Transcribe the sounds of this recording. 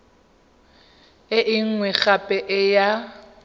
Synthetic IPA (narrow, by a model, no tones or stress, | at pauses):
ɪʔɪŋ̩ŋwɛɣapʼɛʔɪja